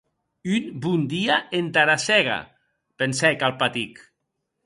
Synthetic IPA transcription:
ynbund̪iaʔent̪aɾasɛɣa̰ | pensɛkalˠpat̪ik

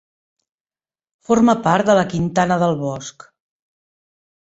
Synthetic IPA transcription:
forməpaɾt̪̚d̪ələkint̪anəðəlˠβɔsk

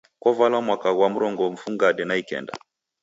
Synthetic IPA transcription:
kwɔvalwamwakaɣwam̩ɾɔŋɡɔm̩fuŋɡaɗɛnaikɛ̰nda̰

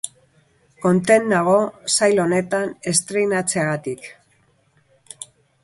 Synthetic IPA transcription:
ko̞nt̪e̞nːaɣ̞o̞sajlo̞ne̞t̪ane̞st̪ɾejnat͡se̞aɣat̪ik

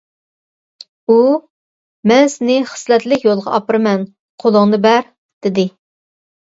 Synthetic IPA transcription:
u | mɛnsɪnɪχə̥slɛt̪lɪkʲjolˠʁɑ̰ʔɑpɨɾɨmɛn | qʰolˠʊŋnɨbɛɾ | d̪̥ɪd̪ɪ

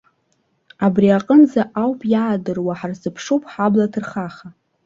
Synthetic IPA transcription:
abriaqʼənzaʔawpʼjaːdɨrwaħarzɨpʰʂopʼħablatʰɨrχaχa

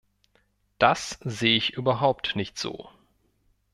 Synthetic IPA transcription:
d̥aszeːəɪçʔyːbɐɦaʊp̚tnɪçtz̥o̰ː

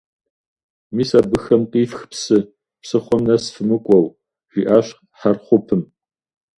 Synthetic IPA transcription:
miːsaːbɨxɐmqʼiːfxpsɨ | psɨχʷɔmnɐsfɨmɨkʷʼɔw | ʒ̥ʷiːʔaːɕ | ħarχʷʊpʰɨm

